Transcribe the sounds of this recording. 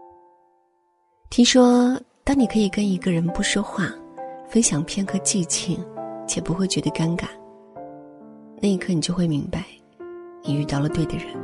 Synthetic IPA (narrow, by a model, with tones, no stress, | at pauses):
t̪ʰi˥ŋʂwɔ˥t̪ɑ˥ŋni˨˩kʰɤ˧˥i˨˩kə˥ni˧˥ɡə˧ɻə˧˥npu˥˩ʂwɔ˥xwa˥˩fə˥nɕjɑ˨˩ŋpʰjɛ˥nxɤ˧˥t͡ɕi˥˧t͡ɕʰi˥˩ŋt͡ɕʰjɛ˨˩pu˧˥xwe˥˩ɪt͡ɕɥɛ˧˥d̪ə˧ka˥nka˨˩˦n | na˥˩i˧˥kʰɤ˥˩ni˨˩t͡ɕjo˥˧ʊxwe˥˩ɪmi˧˥ŋpa˧ɪ | ni˨˩y˥˧t̪ɑ˥˩ʊlə˩t̪we˥˩ɪd̪ə˩ɻə˧˥˦n